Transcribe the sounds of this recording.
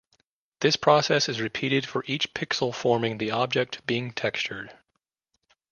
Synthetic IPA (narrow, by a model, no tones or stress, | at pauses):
ðɪspʰɹ̥ɔsɛsɨzɹɨpʰiɾɨd̥fə˞ʔit͡ʃpʰɪksl̩ˠfɔɹmɪ̃ŋðiɑb̚d͡ʒɛk̚t̚b̥iɪ̃ŋtʰɛkst͡ʃə˞d̥